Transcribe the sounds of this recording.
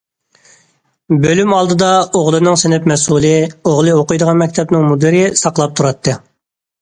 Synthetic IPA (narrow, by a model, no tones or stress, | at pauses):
bølymɑlˠd̪ɨd̪ɑoʁlˠɨnɨŋsɪnɪpmɛsulˠɪoʁlˠɨoqʊjd̪əʁɑnmɛkʲt̪ʰɛbnɪŋmud̪ɨɾɪsɑqlˠɑp̚t̪ʰuɾɑt̪ʰːɨ